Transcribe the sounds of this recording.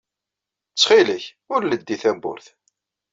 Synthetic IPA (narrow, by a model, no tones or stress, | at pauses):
t͡sːχiləç | ʊɾləd̪ːiθæmbʊ̰ɾθ